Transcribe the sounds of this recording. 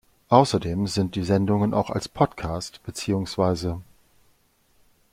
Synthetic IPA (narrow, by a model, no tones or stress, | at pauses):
ʔaʊsɐdeːmzɪnt̚d̥iːzɛndʊŋənʔa̰ʊxa̰lspʰɔtkʰaːstb̥ət͡siːʊŋsv̥aɪzə